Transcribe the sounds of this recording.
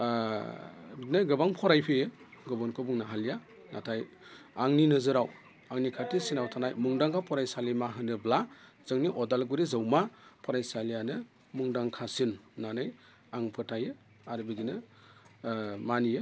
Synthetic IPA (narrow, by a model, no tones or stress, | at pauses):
nɯɡɯbaŋpʰɔɾajpʰejɯɡɯbɔnkʰɯbuŋnaɦalija | natʰaj | aŋninɯzɯɾaw | aŋnikʰatisinawtʰanajmuŋdaŋkʰapʰɔɾajsalimaɦɯnɯbla | z̥ɯŋniʔɔdalɡuɾizɯwmapʰɔɾajsalijanɯ | muŋdaŋkʰasinːanɯj | aŋpʰɯtʰajɯ | aɾbiɡinɯ | manijɯ